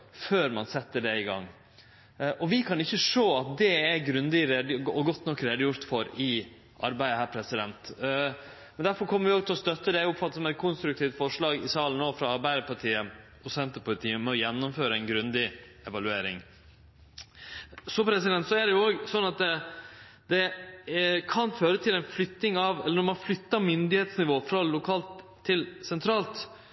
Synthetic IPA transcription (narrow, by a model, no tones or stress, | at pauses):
føːɾmɑnsɛt̪ːəɖɛɪɡɑ̰ŋː | ʔɔʋɪkʰɑnɪçːəʂoːɑt̪̚d̪ɛɛɡɾʉnd̪ɪɾeːd̪ɔɡɔt̪ːnɔkːɾeːd̪əjʊɾt̪fɔɾɪ | ʔɑ̰ɾbæɪəhæːɾpʰɾɛsɪd̪ɛnt̪ | mɛnd̪æɾfɔɾkʰɔmːəɾʋɪoːɡt̪ʰɪlɔst̪œt̪ːəd̪ɛʊpfɑt̪ːəsɔmɛt̪̚kʰʊnst̪ɾʉkt̪ʰiːft̪fɔʂɭɑːɡɪsɑːlənːoːfɾɑɑɾbæɪd̪əɾpɑʈ̪ʰiːə | ɔsɛnt̪əpʰʊlɪt̪ʰiːəmɛɔjɛnːʊmføːɾəæɪnɡɾʉnd̪ɪ | ɛʋɑlʉeːɾɪ̰ŋ | sɔpʰɾɛsɪd̪ɛnt̪sɔæɖɛjʊoːɡsɔnːɑt̪̚d̪ɛ | d̪ɛ | kʰɑnføːɾət̪ʰɪlɛnflʏt̪ːnɪŋɑʋɛlːənɔɾmɑnflʏt̪ːɑmʏnd̪ɪheːt̪snɪʋoːfɾɑlʊkʰɑːlt̪ʰː | ɪlsɛnt̪ʰɾɑːlt̪